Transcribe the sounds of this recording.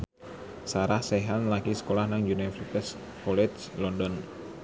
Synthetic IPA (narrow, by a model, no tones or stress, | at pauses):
saɾahsɛɦanlaɡisə̥kolahnaŋd͡ʒunfrsit̪ɛs | kɔlɛd͡ʒ | lɔndɔn